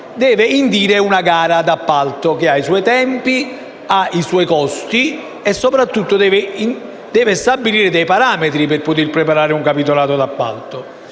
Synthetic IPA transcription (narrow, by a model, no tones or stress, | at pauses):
d̪ɛːveind̪iːɾeunaɡaːɾad̪apːalt̪okeaisɔjt̪ɛmpi | aiswɔjkɔst̪i | ɛsːopɾat̪ːut̪ːod̪ɛːve | d̪̥ɛːvest̪abːiliːɾɪd̪ɛjpaɾaːmet̪ɾipɪrpʊt̪̬irpɾepaɾaːɾɪuŋkapit̪̬olaːt̪od̪apːa̰lt̪o